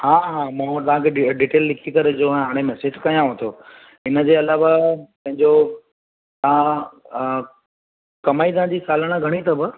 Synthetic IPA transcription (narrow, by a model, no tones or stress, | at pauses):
haːɦãːmãːt̪ɐʋ̤ãkʰeɖiːʈeːlːɪkʰikɐɾed͡ʑõɦaːɽ̃emɛːsɪd͡ʑkɐjãɦõt̪ʰoː | ɪnə̆d͡ʑeːɐlaːʋapɐ̃ɦɪ̃ɲd͡ʑo | t̪ɐã | kɐmaːid̪ãd͡ʑiːsaːləɽ̃aɡʱɐɽ̃it̪ʰɐbə